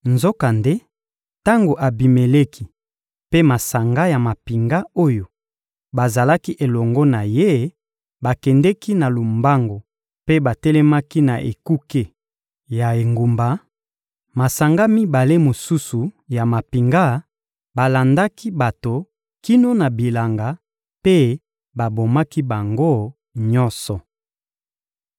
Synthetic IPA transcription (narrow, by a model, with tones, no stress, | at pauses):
nzo˦ka˨nde˦ | ta˦ŋɡo˨ʔa˨bi˨me˨le˦kʰi˦ | pe˦ma˨sa˨ŋɡa˦ja˨ma˨pi˨ŋɡa˦o˦jo˨ | ba˨za˨la˦ki˦ʔe˨lɔ˨ŋɡɔ˦na˨je˦ | ba˨kɛ˨ndɛ˦ki˦na˨lo˨mba˦ŋɡo˨ | pe˦ba˨tɛ˦lɛ˦ma˦ki˦na˨ʔḛ˨ku˦ke˦ | ja˨e˨ŋɡu˨mba˨ | ma˨sa˨ŋɡa˦mi˦ba˨le˦mo˨su˦su˨ja˨ma˨pi˨ŋɡa˦ | ba˨la˨nda˦ki˦ba˨to˨ | ki˦no˦na˨bi˨la˨ŋɡa˨ | pe˦ | ba˨bo˨ma˦ki˦ba˨ŋɡo˦ | ɲɔ˦nsɔ˨